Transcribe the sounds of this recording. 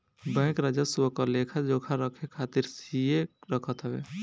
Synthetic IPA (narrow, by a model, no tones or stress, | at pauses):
bɛ̃ːkɾad͡ʒasuəkɔlekʰad͡ʒokʰaɾəkʰekʰat̪iɾsijeɾəkʰət̪ɦəbḛ